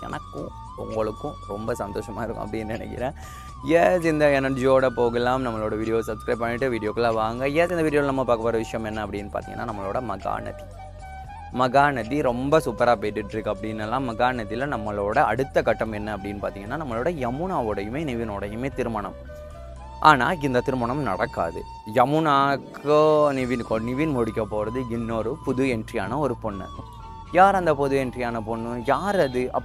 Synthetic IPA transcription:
ɛ̰nɐkːʊ̰̃ | ʊ̰ŋɡɐɭɯkːʊ̃ɾɔmbɐsɐnd̪oːʂɐmaːɪɾɯkːʊ̃ɐ̰pːɐɽɪnːɯnɪnɛ̰kːɪ̰ɾãː | jeːsɪnd̪ɐɛnɐɾd͡ʒioːɽɐpoːɣɐlaːmnɐmːɐɭoːɽɐʋiːɽɪjoːsɐbskɾɐːbp̚pːɐnːɪʈːɯʋiːɽɪjoːkːɐlaːʋaːŋɡɐjeːsɪnd̪ɐʋiːɽɪjoːlnɐmːɐpaːɾkɐpːoːɾɐʋɪʂɐjɐmɛnːɐɐpːɐɽɪnːɯpa̰ːɾt̪ḭːŋɐ̰nːaːnɐmːɐɭoːɽɐmɐɣa̰ːnɐ̰ði̥ | mɐɣaːnɐðiɾɔmbɐsʊpːɐɾaːpeːʈːɪʈːɪɾɯkːɯɐpːɐɽɪnːɐlːãːmɐɣaːnɐðɪlɐnɐmːɐɭoːɽɐɐ̰ɽɯt̪ːɐkɐʈːɐmɛnːɐɐpːɐɽɪnːɯpaːɾt̪iːŋɐnːaːnɐmːɐɭoːɽɐjɐmʊnaːʋɯɽɐjɯmeːnɪʋɪnoːɽɐjɯmeːt̪ɪɾɯmɐɳɐ̰m | ʔaːna̰ːɪnd̪ɐt̪ɪɾɯmɐɳɐmnɐ̰ɽɐkːa̰ːðɯ̰ | jɐmʊnaːknɪʋɪnkonɪʋinmɔɽɪkʲːɐpoːɾɐðɯɪnːoɾɯpʊðɯjɛɳɖɾɪjaːnɐɔɾɯpɔɳːɯ̰ | jaːɾɐnd̪ɐpʊðɯɛnɖrɪjaːnɐpɔɳːɯjaːɾɐðɯʔɐ̰

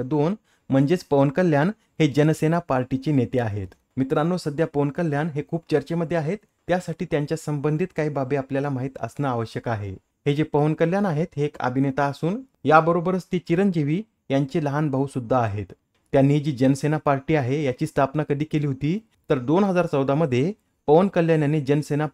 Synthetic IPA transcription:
d̪on | m̤əɳd͡ʑet͡spəʋənkəljan | hed͡ʑənəsenapaɾʈit͡ɕinet̪eaɦet̪ | mit̪ɾanːosəd̪ʱjapəʋənkəljanɦekʰuːp̚t͡ɕəɾt͡ɕeməd̪ʱːjeaɦet̪ːjasaʈiːt̪jaɲt͡ɕjasəmbənd̪ʱit̪kaɦiːbabeapljalamaɦiːt̪ə̰snaːʋəɕjəkaɦḛ | hed͡ʑepəʋənkəljanaɦet̪ɦeːkə̰bʱinet̪aːsuːn | jabəɾobəɾət͡st̪it͡ɕiɾənd͡ʑeʋiː | jaɲt͡ɕeləɦanbʱaɦusud̪ʱːaːɦet̪ː | janːid͡ʑiːd͡ʑənəsenapaɾʈiːaɦejat͡ɕiːst̪ʰapnakəd̪ʱiːkeliːɦot̪iː | t̪əɾd̪onɦəd͡zaɾt͡səwd̪aməd̪ʱːje | pəʋənkəljanjaned͡ʑənsena

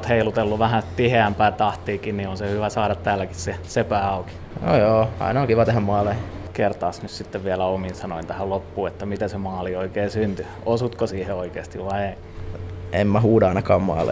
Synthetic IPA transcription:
t̪heilut̪elːuʋæhæt̪iheæmpæːt̪ɑht̪iːkinnionsehyʋæsɑːɾɑt̪t̪æːlːæki̥ssesepæːɑuki̥no̰joːɑ̰inɑoŋkiʋɑt̪æhæmmɑːlːekert̪ɑːsnyssit̪ːeʋʋiælæominsɑnoint̪æhællopːuːet̪ːæmit̪æsemɑːlioikeːsynt̪y | osut̪kosiːheoikeːst̪iʋʋɑiei | emmæhuːdɑɑinɑkɑːmmɑ̰ːlːḛ

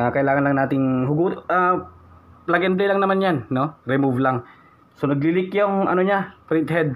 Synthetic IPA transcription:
akɐʔɪlaːŋɐnlɐŋnaːt̪ɪŋhʊɡuːt̪ʔa | plɐɡɛnd̪lɛlaŋnɐmanjanːo̞ɾɛmuvlaŋ | sonɐɡ̚lɪlɪkjoŋʔɐ̰noɲapɾɪnt̪̚hɛd̪̚

